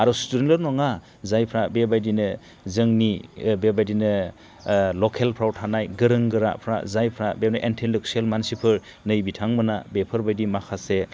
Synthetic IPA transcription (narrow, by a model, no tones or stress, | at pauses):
aɾɔstudenlɯɾnɔŋa | zajpʰɾabebajdinɯ | zɯŋnibebajdinɯ | lɔkʰelpʰɾawtʰanajɡɯɾɯŋɡɯɾa̰pʰɾa̰zajpʰɾabebnaʔentʰelɯk̚sielmansipʰɯɾ | nɯjbitʰaŋmɯnabepʰɯɾbajdimakʰase